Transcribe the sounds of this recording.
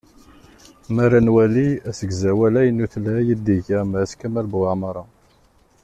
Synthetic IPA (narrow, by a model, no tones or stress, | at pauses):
mæɾænwæliæsəɡzæwælæjənːuθlæjəd̪iʝæmæskæmælbaʕmɑɾˤɑ